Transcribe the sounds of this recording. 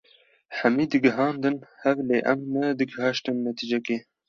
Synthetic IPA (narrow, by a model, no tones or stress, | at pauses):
ħæmiːd̪ɨɡɨɦɑːnd̪ɨnhɛvleːʔɛmnɛd̪ɨɡhɑːʃt̪ɨmnɛt̪ʰid͡ʒɛkeː